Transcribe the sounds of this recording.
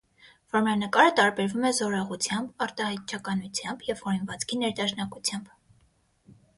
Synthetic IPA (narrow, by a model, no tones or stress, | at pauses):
vɔɾmɾɑnəkɑɾət̪ɑɾbɛɾvumɛzɔɾɑʁut͡sʰjɑmbɑɾt̪ɑhɑjt̪̚t͡ʃʰɑkɑnut͡sʰjɑmbjɛvhɔɾinvɑt͡skʰinɛɾd̪ɑʃnɑkut͡sʰjɑmb